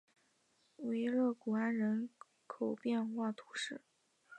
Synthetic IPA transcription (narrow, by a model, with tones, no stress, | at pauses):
we˧˥ɪɻɤ˥˩ku˨˩a˥nɻə˧˥n | kʰo˨˩ʊpjɛ˥˧nxwa˥˩t̪ʰu̥˧˥ʂɻ̩˥˩